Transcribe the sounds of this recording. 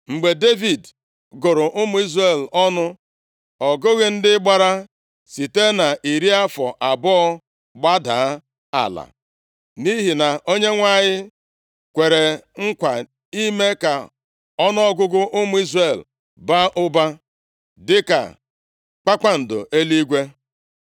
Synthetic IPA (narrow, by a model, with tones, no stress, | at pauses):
ŋ͡m̩˨ɡ͡be˨de˦vi˨d | ɡʊ˨ɾʊ˨ʔʊ˦mʊ˦i˦zre˦˨lɔ˦nʊ˦ | ɔ˨ɡʊ˦ɣɪ˨n̩˦dɪ˦ɡ͡ba˨ɾa˦ | si˨te˦na˨ʔi˨ɾi˦a˦fɔ˨ʔa˨bɔ˦ɔ˦ | ɡ͡ba˦da̰˨˦ | a̰˨la̰˨ | ni˦ɦi˨na˨ʔo˦ɲe˦ŋʷa˦˨ɲɪ˦ | kʷe˨ɾe˨ŋ̩˦kʷa˨ | i˦me˦ka˨ | ɔ˦nʊ˦ɔ˦ɡʊ˦ɡʊ˦ʔʊ˦mʊ˦i˦zre˨l | ba˦ʔʊ˦ba˦ | dɪ˦ka̰˨ | k͡pa˦k͡pa˦n̩˨dʊ̰˨ʔe˦li˦ɡʷe˦